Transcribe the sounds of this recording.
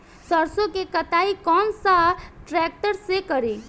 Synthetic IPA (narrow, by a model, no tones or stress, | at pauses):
səɾsõkekət̪aːikɔːnsaʈɾɛːk̚ʈəɾsekəɾeː